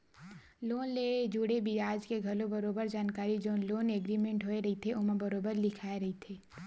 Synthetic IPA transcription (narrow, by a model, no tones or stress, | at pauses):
loːnled͡ʒuːɽebiaːd͡ʒkeɡʱɐlobɐɾoːbəɾd͡ʒaːnkaːɾid͡ʒoːloːneɡɾimẽɳʈɦoːeɾɐɦit̪ʰeʊmebɐɾoːbəɾlɪkʰaːeɾɐɦit̪ʰeː